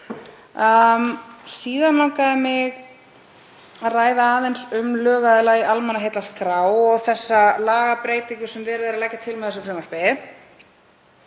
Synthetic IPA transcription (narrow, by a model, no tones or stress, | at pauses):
siːðanlawkaðɪmɪɣ | raːjðaaːðejnsʏmlœːɣaðɪlaɣiʔalmɛnaɦejt̪laskɾaːwɔɣθɛsːalaːɣapɾeːjt̪iŋkʏsɛmvɛːɾʏðɛɾalɛcːat̪ʰɪlmɛθɛsʏmsrɛmar̥pɛ